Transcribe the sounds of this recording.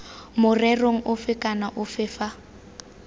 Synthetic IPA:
mʊrɛroŋ̩ʔʊfɪkʼanaʔʊfɪːfa

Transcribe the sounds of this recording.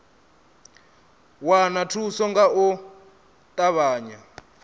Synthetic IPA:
wanatʰusɔŋɡau | t̪ʼaβaːɲa

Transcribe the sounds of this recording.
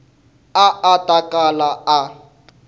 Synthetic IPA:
aatʼakʼalaa

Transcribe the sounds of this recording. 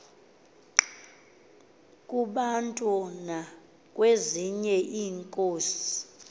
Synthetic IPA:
kʼuɓantʼɔna | k̬ʼweziɲɛʔiːŋkʼoːsi̥

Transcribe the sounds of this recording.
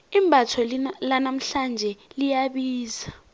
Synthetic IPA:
imbʱatʰɔllanam̩ɬand͡ʒʱɛlijaɓiːza

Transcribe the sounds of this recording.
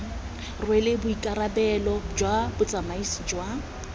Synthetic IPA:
rwɛlɪbʊikʼarabɛlɔd͡ʒwabʊt͡sʼamaisid͡ʒwa

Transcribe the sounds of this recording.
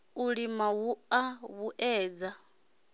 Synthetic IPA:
uɺimawuaβuʔɛːd͡za

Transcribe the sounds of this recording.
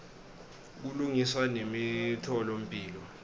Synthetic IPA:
k̬uluŋiswanemitʰɔlom̩pʼiːlɔ

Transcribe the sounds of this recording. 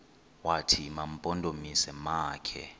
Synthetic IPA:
watʰimam̩pʼɔndʱomisɛmaːkʰɛ̰

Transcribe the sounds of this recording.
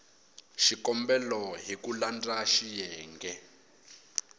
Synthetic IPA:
ʃikɔmbɛlɔɦikuland͡zaʃijɛːŋɡɛ

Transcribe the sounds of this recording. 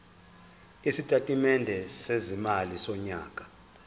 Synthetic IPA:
isitʼatʼimɛndʱɛsezimalisɔɲa̰ːkʼḁ

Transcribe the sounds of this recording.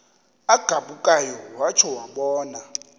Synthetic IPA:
aɡ̥ʱaɓukʼajɔwat͡ʃʰɔwaɓɔːna

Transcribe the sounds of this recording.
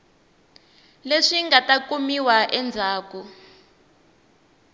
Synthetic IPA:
leʂiŋɡatakumiwaʔɛnd͡zʱaːku

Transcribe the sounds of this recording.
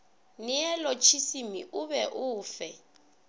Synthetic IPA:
nɪɛlɔt͡ʃʰisimḭʔʊbɛʔʊːfɛ

